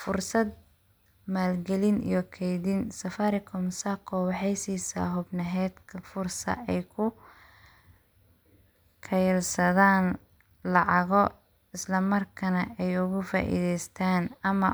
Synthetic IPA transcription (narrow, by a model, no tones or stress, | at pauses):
fʊrsɐd̪̚ | maːlɡɛlɪnḭjɔkʰɛjðɪnsɐfaːɾɪkʰɔmsakʰɔwɑħɑjsiːsa̰ːɦʊbnɐɦɛːd̪kʰɐfʊrsɐ̰ɛjkʰʊ | kʰɐjlsɐðaːn | lɑʕɑɣɔ | ɪslɐmɐrkʰɐnɐɛjʊɣʊfa̰ːʔḭðɛjst̪ʰaːnɐmɐ